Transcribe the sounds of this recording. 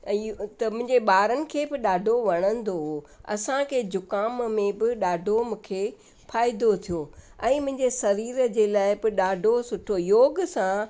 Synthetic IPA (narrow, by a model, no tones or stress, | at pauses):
t̪ɐmʊ̃ɦɪ̃ɲd͡ʑeɓaːɾənɪ̆kʰeːbɪɗaːɖʱoʋɐɽ̃ə̃nd̪o | ɐ̰sãkʰeːd͡ʑʊkaːmmẽbɪɗaːɖʱomũːkʰe | faːɪd̪ot̪ʰijoːɛ̃ːmʊ̃ɦɪ̃ɲd͡ʑesɐɾiːɾəd͡ʑeːlaːɪbɪɗaːɖʱosʊʈʰojoːɡsã